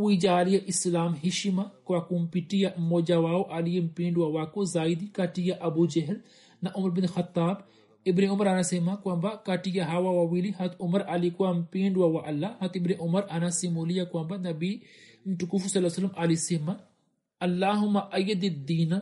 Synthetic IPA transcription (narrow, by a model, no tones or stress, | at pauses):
wid͡ʒaːlijaʔislaːmɦiʃimakwakumpiʈijamod͡ʒawaːoʔɐlijɐmpẽːɳɖwawaːkozaːid̪ikaʈijaʔɐbud͡ʒɐɦɪl | naʔʊmɐɾbinxɐt̪ːaːb | ibneʊmɐɾɐnasemakwambakɐʈijaɦawawawiliɦɐt̪ʰʊmɐɾɐlikwampeːɳɖwawaʔɐlːaɦɐt̪ibneʔʊmɐɾɐnasimoːlijakwãmbanɐbi | nʈukufsɐlːasɐlːɐmɐlisema | ɐlːaːɦʊmːaʔɐjɐd̪id̪iːna